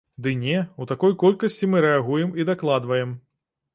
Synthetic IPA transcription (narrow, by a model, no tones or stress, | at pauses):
d̪ɨnʲɛut̪akɔjkɔlʲkɐsʲt͡sʲimɨɾɛaɣujɛmid̪aklˠad̪vɐjɛm